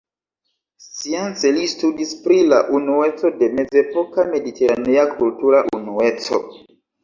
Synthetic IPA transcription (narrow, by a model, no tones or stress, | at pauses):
sient͡se̞listudispɾila̰ʔunue̞t͡so̞de̞me̞d͡ze̞po̞kame̞ditʰe̞ɾaneakʰultuɾaʔunue̞t͡so̞̰